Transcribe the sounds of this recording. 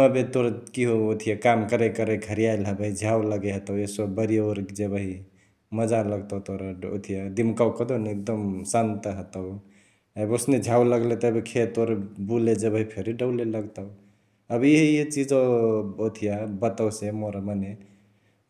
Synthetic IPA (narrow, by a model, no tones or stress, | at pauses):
əbet̪oɾkiɦoot̪ʰijakamkəɾəkəɾəɡʱəɾijailɦəbəɦid͡ʒʱawləɡeɦət̪əwesəbbəɾijaoɾd͡ʒebəɦi | məd͡ʒaləɡt̪əwt̪oɾao̰t̪ʰijad̪imkawkəd̪oneek̚d̪əmsant̪əɦət̪əw | əbosned͡ʒʱawləɡlet̪ɔbikʰet̪oɾbuled͡ʒəbəɦipʰeɾiɖəwleləɡt̪əʊ | əbiɦejet͡ʃid͡ʒoot̪ʰijabət̪əwsemoɾaməne